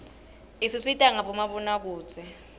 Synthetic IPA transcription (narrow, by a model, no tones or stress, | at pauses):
isisitʼaŋaɓɔmaɓɔnak̬uːt͡sʰʼɛ